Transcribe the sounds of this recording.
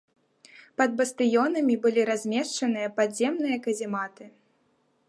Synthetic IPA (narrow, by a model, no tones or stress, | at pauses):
pɐd̪̚bɐst̪ɨjɔnɐmʲibɨlʲiɾazʲmʲɛʂt͡ʂɐnɨjɐpazʲɛmnɨjɐkɐzʲimat̪ɨ